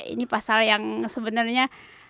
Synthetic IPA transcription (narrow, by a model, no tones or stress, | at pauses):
ḭnipasaljaŋsəbənərɲa